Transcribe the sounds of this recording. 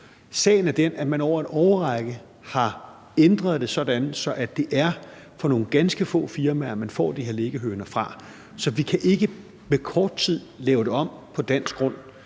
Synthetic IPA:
sɛ̰ːɪn̩æɐd̥enæmænɒʊ̰ɐæd̥ɒʊɐʁɑɡ̥ə | hɑ̈ | end̥ʁɐðˠd̥e̝sɒ̽d̥ænð̩ˠsɒ̽ʔæd̥e̝ʔæɐ | fɒ̽no̝ːn̩ɡ̥ænsɡ̥əfɔ̰̽ːfiɐmæɐmænfɒ̰ːd̥ihe̝ɐleɡ̥əɦøːnɐfʁɑ̈ | sɒ̽ʋikʰæʔe̝ɡ̥ə | mekʰɒːd̥̚t͡sʰið̞̰ˠlɛːʊɾ̥e̝ɒ̽m̰pʰɒ̽d̥æn̰sɡ̥ʁɔ̽n̰

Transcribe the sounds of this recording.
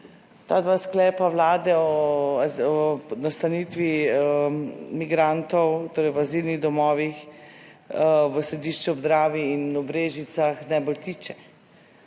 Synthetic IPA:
t̪ad̪ʋaːsklɛːpawlaːd̪ɛɔ | ɔnast̪aniːt̪ʋi | miɡɾant̪ɔwt̪oːɾɛjwazilniɣd̪ɔmɔːʋix | ʋəsɾɛd̪iʃt͡ʃɛɔbzd̪ɾaːʋiːnɔbɾeːʒit̪saxnajbolt̪iːt͡ʃɛ

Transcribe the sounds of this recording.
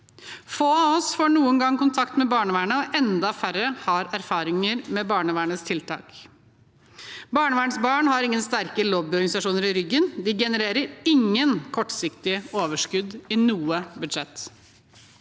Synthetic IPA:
foːɑɔsfoːɳuːəŋɡɑŋkʊnt̪ʰɑkt̪mɛbɑːɳəʋæːɳəɔʔɛnd̪ɑfæɾəhɑɾæɾfɑːɾɪŋəɾmɛbɑːɳəʋæːɳəst̪ʰɪlt̪ʰɑ̰ːk | bɑːɳəʋæːɳəsbɑːɳhɑɾɪŋːənst̪æɾkəloːbɪɔɾɡɑnɪsɑʂuːnəɾɪɾʏɡːənd̪ɪɡɛnəɾeːɾəɾɪŋːənkʰɔʈːsɪkt̪ɪoːʋəʂkʉd̪ɪnuːəbʉd̪ʂɛt̪ː

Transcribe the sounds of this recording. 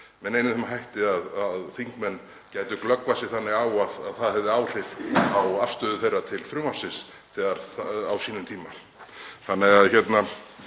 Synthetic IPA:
mɛnejnɪθɛmaɦajht̪ɪaðaðθiŋkmɛnː | caːjt̪ʏklœkvasɪθanːɪɣaːwaðaðθaðhɛvðɪaːwr̥ɪvawafst̪œːðʏθejrːat̪ʰɪlfɾʏːmasɪs | θɛːɣaɾ̥θawsiːnʏmt̪ʰiːma | θanːɪɣaðçɛt̪na

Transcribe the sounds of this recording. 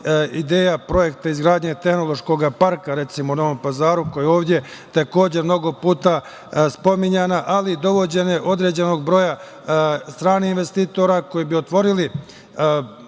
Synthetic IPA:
id̪e̞ːjapɾo̞je̞kt̪aizɡɾaːd̪ɲet̪e̞xno̞lˠo̞ʃko̞ɡapaɾkaɾe̞t̪simounoʋompazaːɾuko̞jeo̞ːʋd̪je̞ | t̪ako̞ːd͡ʑe̞mno̞ɡo̞puːt̪a | spo̞miɲanaʔalid̪o̞ʋo̞d͡ʑe̞neʔo̞d̪ɾe̞d͡ʑe̞no̞ɡbɾo̞ːja | st̪ɾaːnihinʋe̞st̪iːt̪o̞ɾako̞jibiot̪ʋo̞ɾili

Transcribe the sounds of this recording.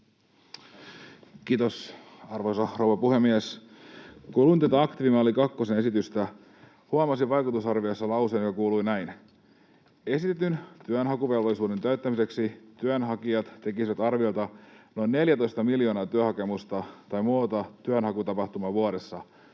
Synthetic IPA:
kiːt̪osɑrʋo̞jsɑrouʋɑpuhe̞mːies | kuːluint̪æt̪æɑkt̪iʋimɑolikɑkːo̞sene̞sit̪yst̪æ | huɑmɑsiʋɑjkut̪usɑrʋiojsːɑlɑwseːnjokɑkuːlujnæjn | e̞sit̪e̞t̪ynt̪yønɦɑkuʋe̞lʋolisuːde̞nt̪æyt̪ːæmise̞ksit̪yønɦɑkiɑt̪t̪e̞kisiʋæt̪ɑrʋio̞jlt̪ɑno̞jnːe̞ljæt̪o̞jst̪ɑmiljo̞ːnɑːt̪yøhɑke̞must̪ɑt̪ɑjmuot̪ɑt̪yønhɑkut̪ɑpɑht̪umɑʋuɑɾe̞sːɑ

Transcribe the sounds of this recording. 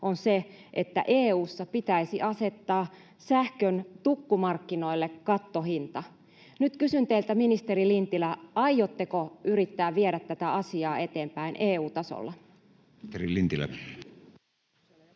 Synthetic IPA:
ʔonse | ʔet̪ːæ̰ʔeːuːsːɑpit̪æisiʔɑse̞t̪ːɑː | sæhkønt̪ukːumɑrkːinoilːekːɑt̪ːohint̪ɑ | nyt̪kysynt̪eilt̪æminist̪eɾilint̪ilæɑjjot̪ːekoyɾit̪ːæːʋʋieɾæt̪ːæt̪æɑsiɑːe̞t̪eːmpæinʔeːuːt̪ɑso̰lːɑ | erilint̪ilæ̰

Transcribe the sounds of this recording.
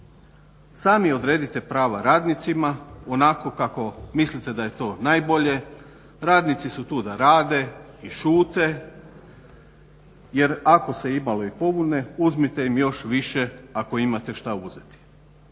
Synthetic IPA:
saːmio̞d̪ɾe̞ːd̪it̪e̞pɾaːʋaɾaːd̪nit̪simao̞nako̞kako̞mislit̪e̞d̪aje̞t̪o̞ːnajbo̞ʎe̞ | ɾaːd̪nit̪sisut̪uːd̪aɾaːd̪e̞ | iʃuːt̪e̞ | je̞ɾako̞se̞imalo̞ipo̞bune̞uzmit̪e̞imjo̞ʃʋiʃe̞ako̞imat̪e̞ʃt̪auze̞t̪i̥

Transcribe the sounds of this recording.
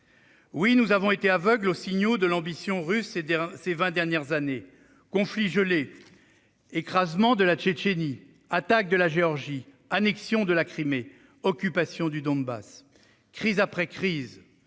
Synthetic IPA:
winuzavɔ̃et̪eavœɡlosiɲod̪əlɑ̃bisjɔ̃ʁyssevɛ̃d̪ɛʁnjɛʁzane | kɔ̃fliʒəle | ekχazmɑ̃d̪əlat͡ʃet͡ʃeni | at̪ak̚d̪əlaʒeɔʁʒi | anɛksjɔ̃d̪əlakχime | ɔkʲypasjɔ̃d̪yd̪ɔ̃nba̰s | kχizapχɛkχiz

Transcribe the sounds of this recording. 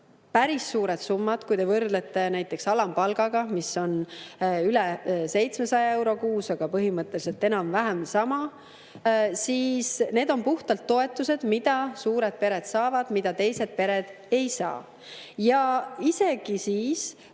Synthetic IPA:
pæɾisːuːɾed̪sumːɑd̪̥kujd̪e̞vɤrd̪le̞t̪ːˑe̞næjt̪ːˑe̞ksɑlɑmpɑlɡ̥ɑɡ̥ɑmiso̞n | ylɛse̞jt̪sme̞sɑjɑe̞wɾo̞kuːsɑɡ̥ɑpɤɦimɤt̪ˑːe̞lis̬e̞lt̪ːe̞nɑmvæɦæmsɑmɑ | siːsne̞ːd̪o̞mpuht̪ɑlt̪ːo̞e̞t̪ːˑuse̞d̪̥mid̪̥ɑsuːɾe̞d̪̥̚pe̞ɾe̞d̪̥sɑːvɑd̪̥mid̪̥ɑt̪e̞jse̞d̪̥̚pe̞ɾe̞d̪̥ | e̞jsɑ̰ː | jɑise̞ɡ̥isiːs

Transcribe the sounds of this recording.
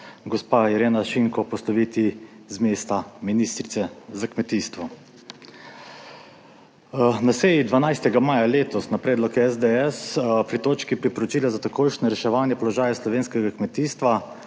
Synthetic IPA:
ɡɔspajɛɾeːnaʃiŋkɔpɔslɔʋiːt̪izmeːst̪aminist̪ɾit̪sɛzakmɛt̪iːst̪ʋɔ | nasɛːjid̪ʋanajst̪ɛɡamaːjaleːt̪ɔsnapɾɛːd̪lɔkɛzd̪eɛspɾit̪oːt͡ʃkipɾipɔɾɔt͡ʃiːlazat̪akoːjʃnɔɾɛʃɛʋaːnjɛpɔlɔʒaːjaslɔʋeːnskɛɡakmɛt̪iːst̪ʋa

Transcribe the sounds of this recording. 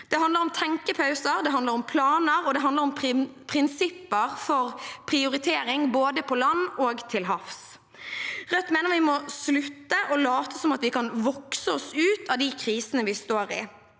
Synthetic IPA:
d̪̥ɛɦɑnd̪əɾɔmt̪ʰɛŋkəpʰɑʉsəɾd̪ɛɦɑnd̪ləɾɔmpʰlɑːnəɾɔd̪ɛɦɑnd̪ləɾɔmpʰɾɪnsɪpːəʁfɔɾpʰɾɪʊɾɪt̪ʰeːɾɪŋboːd̪əpʰɔlɑnːoːɡt̪ʰɪlɦɑfs | ʁœt̪meːnəʁʋɪmɔslʉt̪ːəʔɔlɑːt̪əsɔmɑt̪ʋɪkɑnʋɔksəɔsʉːt̪ɑd̪ɪkʰɾiːsənəʋɪst̪oːɾɪ̰

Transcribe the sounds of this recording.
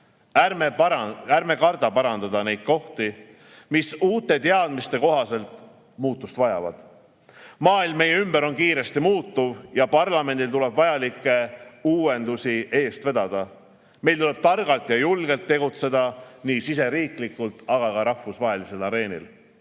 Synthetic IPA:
ærmeærme̞kɑrd̪ɑpɑɾɑnd̪̥ɑd̪ɑne̞jd̪̚ko̞ht̪i | misuːt̪ːˑe̞t̪eɑd̪̥mist̪e̞ko̞ɦɑse̞lt̪ | muːt̪ːˑust̪vɑjɑ̰vɑ̰d̪̥ | mɑːilmːe̞jːeymbeɾo̞nkiːɾe̞st̪imuːt̪ːuvjɑpɑrlɑme̞nd̪ilt̪ule̞b̥vɑjɑlikːˑe̞uːe̞nd̪̥usiʔe̞ːst̪ve̞d̪ɑd̪̥ɑ | me̞jlt̪ule̞b̥t̪ɑrɡ̥ɑlt̪ˑjɑjulɡ̥e̞lt̪ːe̞ɡut̪se̞d̪̥ɑniːsise̞ɾiːklikːult̪ˑɑɡ̥ɑkɑɾɑhvusvɑːɦe̞lise̞lɑɾe̞ːnḭl

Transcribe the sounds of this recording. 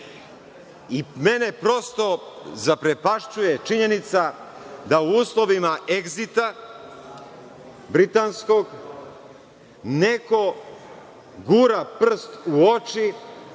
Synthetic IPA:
imenepɾo̞st̪o̞zapɾepaʃt͡ʃujet͡ʃiɲe̞nit̪sa | d̪auuːslˠoʋimaʔeɡzit̪a | bɾit̪ansko̞ɡ | neko | ɡuɾapr̩st̪uot͡ʃi

